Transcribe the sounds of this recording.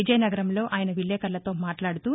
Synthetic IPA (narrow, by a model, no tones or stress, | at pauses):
id͡ʒɐjnɐɡɐɾɐmlo̞ːʔaːjɐnɐʋiɭːɛːkɐɾlɐt̪o̞ːmaːʈlaːɽut̪uː